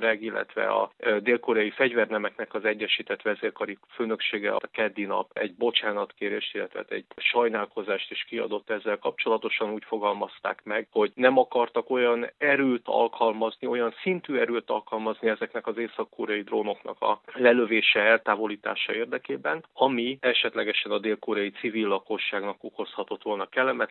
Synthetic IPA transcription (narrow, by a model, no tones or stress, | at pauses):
ɾɛɡilːɛ̰t̪ʋɛ̰ɒ̰d̪eːlkoɾɒjifɛɟvɛrnɛmɛknɛkɒzɛɟːɛʃiːt̪ɛt̪ʋɛɛzeːrkɒɾiføːnø̞kʃeːɡɛ̰t̪kɛd̪ːinɒ̰pɛ̰ɟbo̞t͡ʃaːnɒt̪keːɾeːʃt̪ilːɛt̪ɛa̰ːt̪ɛ̰ɟʃɒjnaːlko̞zaːʃt̪eːʃkiɒ̰d̪o̞t̪ːɛzːɛlkɒp̚t͡ʃo̞lɒt̪o̞ʃɒnuːcfo̞ɡɒlmɒst̪a̰ːkmɛɡho̞ɟnɛmɒkɒrt̪ɒko̞jɒnɛɾøːt̪ɒ̰lkʰɒlmɒznio̞jɒnsint̪yːɛɾøːt̪ɒ̰lkɒlmɒzniɛzɛknɛkɒzeːsɒkːoːɾjɒjid̪ronoknɒ̰kɒ̰lɛløveːʃɛɛlt̪aːvo̞liːt̪a̰ːʃɒeːrd̪ɛkeːbɛnɒmiɛʃɛt̪lɛɡɛʃɛnɒd̪eːlkoːɾjɒjit̪sivilːɒko̞ʃːaːɡnɒko̞ko̞shɒt̪o̞t̪ʋo̞lnɒkɛlːɛmɛt̪